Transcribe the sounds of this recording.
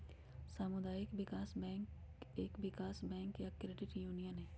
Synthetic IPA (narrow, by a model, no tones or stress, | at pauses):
saːmʊd̪aːjɪkʋɪkaːsbɛ̃ːŋkeːkʋɪkaːsbɛ̃ːŋkjakɾeːɖɪʈjuːnijənɦẽː